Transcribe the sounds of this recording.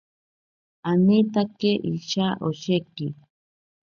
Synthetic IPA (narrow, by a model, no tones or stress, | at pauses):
anit̪akeʔiʃaʔoʃeki